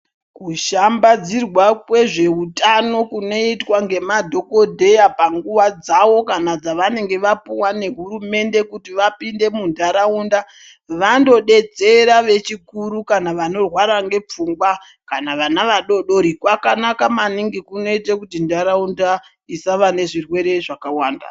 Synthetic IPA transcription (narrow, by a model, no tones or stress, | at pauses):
kuʃambad͡zirwakwe̞ʐe̞utano̞kuno̞itwaŋɡe̞madʱo̞ko̞dʱe̞japaŋɡuʋad͡zaʋo̞kanad͡zaʋane̞ŋɡe̞ʋapuwane̞ɦuɾume̞nde̞kutiʋapinde̞mundaɾaunda | ʋando̞ɗe̞d͡ze̞ɾaʋe̞t͡ʃikuɾukanaʋano̞rwaɾaŋɡe̞p͡fuŋɡwa | kanaʋanaʋaɗo̞ɗo̞ɾikwakanakamaniŋɡikuno̞itekutindaɾaunda | isaʋane̞ʐirwe̞ɾe̞ʐakawaːnda̰